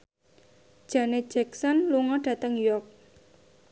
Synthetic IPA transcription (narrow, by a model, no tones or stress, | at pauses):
d̥ʒ̥ä̤ne̥d͡ʒɛksɔnluŋɔdɖ̥ä̤t̪əŋjujɔrk̚